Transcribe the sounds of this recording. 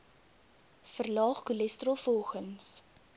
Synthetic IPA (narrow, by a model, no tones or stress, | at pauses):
fərlɑːχkulɛstrəlˠfɔlˠχəns